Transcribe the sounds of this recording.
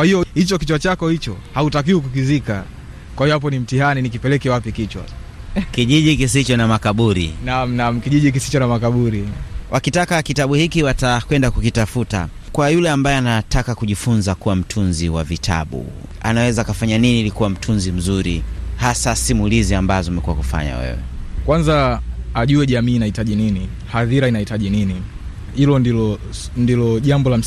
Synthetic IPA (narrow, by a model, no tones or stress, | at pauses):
kwahijɔhit͡ʃɔkit͡ʃwat͡ʃakɔhit͡ʃɔhautak̬iuk̬uk̬izika | kwahijɔap̬ɔnim̩tihaninik̬ipɛlɛkɛwapikit͡ʃwa̰kiʄiʄikis̬it͡ʃɔnamakaɓuɾḭnam̩nam̩kiʄiʄik̬isi̥t͡ʃɔnamakaɓuɾiwʔakitakakitaɓuhikiwatakwɛndakukitafuta̰ | kwajulɛambajɛanatʰakakuʄifunzakuwam̩tʰunziwavitʰa̰ɓṵ | a̰nawɛzaːkafaɲaniniːlikuwam̩tʰunzim̩zuɾihasasimuliziambazɔumɛkuwakufa̰ɲa̰wɛ̰wɛ̰kwanzaaʄuɛʄamiːnahitaʄinini | haðiɾainahitaʄinini | hilɔnilɔ | ndilɔʄambɔlam̩